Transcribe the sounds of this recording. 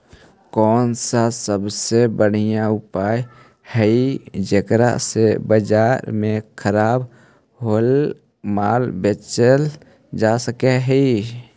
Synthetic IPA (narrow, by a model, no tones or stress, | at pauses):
kɔːnsasəbsebəɽ̤ijãʊpaːj | həid͡ʒekɾa̰sebəd͡ʒaːɾmẽkʰəɾaːb | ɦol | maːlbet͡ʃəl | d͡ʒasəkeɦɛi